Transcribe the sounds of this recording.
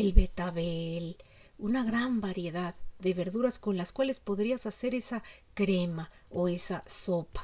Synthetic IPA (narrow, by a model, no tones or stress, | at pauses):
elβe̞t̪aβel | unaɣɾambaɾje̞ðaððe̞βe̞ɾðuɾasko̞nlaskwale̞spo̞ðɾiasase̞ɾe̞sakɾe̞ma | oe̞saso̞pḁ